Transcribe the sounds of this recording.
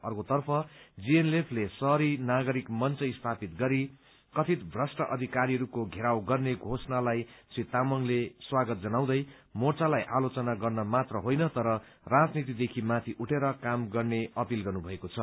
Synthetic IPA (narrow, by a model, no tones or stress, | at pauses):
ʌrkot̪ʌrpʰʌd͡zienlepʰlesʌɾinaɡʌɾikmʌnt͡sʌist̪ʰapit̪ɡʌɾi | kʌt̪ʰit̪bʱrʌsʈʌʔʌd̪ʱikaɾiɦʌɾukoɡʱeɾawɡʌrneɡʱosnalajsit̪amʌnleswaɡʌt̪̚d͡zʌnaw̃d̪ʌj | mort͡salajʔalot͡sʌnaɡʌrnʌmat̪rʌɦojnʌt̪ʌɾʌ | rad͡znit̪id̪ekʰimat̪ʰiʔuʈʰeɾʌkamɡʌrneʌpilɡʌrnubʱʌekot͡sʰʌ